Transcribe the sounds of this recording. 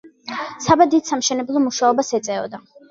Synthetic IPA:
sabad̪id̪samʃɛnɛblˠɔmuʃaɔbasɛt̪sʼɛɔ̰d̪a

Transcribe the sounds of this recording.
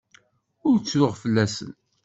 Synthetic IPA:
ʊɾt͡sːɾʊʁfəlːæsə̰n

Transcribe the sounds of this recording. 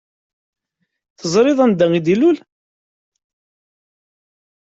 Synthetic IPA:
θəzˤɾˤɪðˤənd̪æŋid̪ilul

